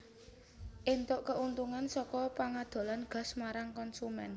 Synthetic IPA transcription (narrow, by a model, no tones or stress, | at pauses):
ʔent̪ʊʔkəʔunt̪uŋansɔkɔpaŋad̪̥o̤lanɡ̥a̤smaɾaŋkɔnsumɛ̰n